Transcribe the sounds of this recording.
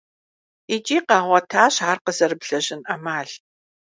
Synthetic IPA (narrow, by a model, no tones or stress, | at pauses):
it͡ʃʼiːqɑːʁʷɐtʰaːɕaːrqəzɐrɨbɬɐʑɪnʔɐmaːɮ